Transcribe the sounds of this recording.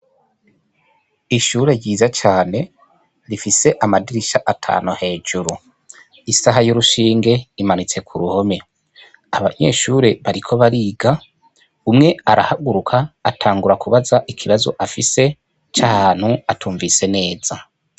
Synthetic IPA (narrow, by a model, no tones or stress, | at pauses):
iʃuːɾe̞ɾɟiːzat͡ʃaːne̞ | ɾifise̞ʔamadiɾiʃaʔatʰa̰ːnuhe̞ːʒ̥uɾu | isaɦajuɾuʃiːŋɡe̞imanit͡se̞kʰuɾuho̞me̞ | aβa̰ɲe̞̰ːʃuɾe̞βaɾikʰo̞βaɾiːɡa | umŋe̞aɾahaɡuɾukʰaːtʰaːŋɡuɾakʰuβazaʔikʰiβazoʔafise̞ | t͡ʃahaːn̥huatʰuːɱvise̞ne̞ːz̥a